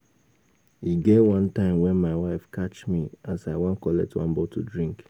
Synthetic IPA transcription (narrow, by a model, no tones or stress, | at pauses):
iɡewʌ̃ntãɪ̃mwɛ̃nmaɪwaɪfkat͡ʃmiasaɪwãnkɔlɛ̰k̚twã̰nbɔtʰudɹĩŋk